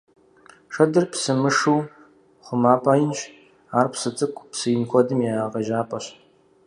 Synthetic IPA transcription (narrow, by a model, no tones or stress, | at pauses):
ʂɐdɨrpsɨmɨʂuː | χʷʊmaːpʼaːjɪnt͡ʃ | aːrpʰsɨt͡sʼɨkʷʼpsɨjɪnxʷʰɔdɨmjɛaːʁɐʒaːpʼɐɕ